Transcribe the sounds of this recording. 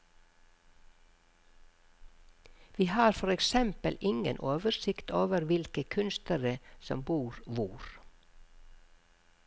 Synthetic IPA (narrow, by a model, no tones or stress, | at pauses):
ʋiːhɑːɾfɔɾɛksɛmpəlʔɪŋə̰nʔoːʋəsɪkt̪ʰoːʋəɾʋɪlkəkʰʉnst̪əɾəsɔ̰mbuːɾʋuːɾ